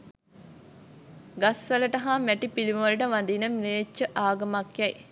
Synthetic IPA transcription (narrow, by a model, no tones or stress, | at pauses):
ɡasʋələʈɐɦamæʈipilimʋɐləʈəʋand̪iːnəmʋeːt͡ʃːəʔaːɡɐmakjɛj